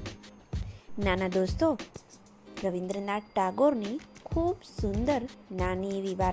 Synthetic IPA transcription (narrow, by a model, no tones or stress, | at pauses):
nanad̪ost̪o | ɾəʋind̪ɾənaʈaɡoɾnikʰuːbsund̪əɾnaniʋiʋaɾ